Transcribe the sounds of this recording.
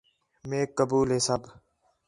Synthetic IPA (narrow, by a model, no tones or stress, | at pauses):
meːkːəbuːlɦeːsəb